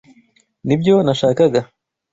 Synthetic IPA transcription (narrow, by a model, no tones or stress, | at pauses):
nibɟo̞naʃaːkaɡa